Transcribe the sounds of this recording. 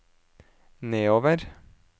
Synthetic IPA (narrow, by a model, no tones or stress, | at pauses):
neːoːʋəɾ